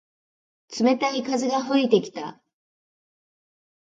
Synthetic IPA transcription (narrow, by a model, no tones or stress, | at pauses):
t͡sɨme̞t̪aikazɨɡaɸɯit̪e̞kʲi̥t̪a